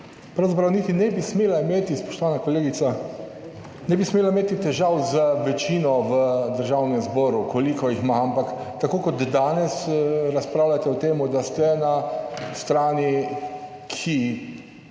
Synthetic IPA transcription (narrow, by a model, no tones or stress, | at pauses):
pɾawzapɾawnit̪inɛbismeːlaimeːt̪ispɔ̥ʃt̪ɔʋaːnakoleːɡit̪sa | nɛbismeːlaimeːt̪it̪ɛʒawzəʋɛt͡ʃiːnɔʋəd̪əɾʒawnɛmzbɔːɾukolikɔjixmaampak | t̪akoːkɔt̪d̪aːnɛsɾaspɾawlat̪ɛɔt̪eːmud̪ast̪ɛnast̪ɾaːni | kʰi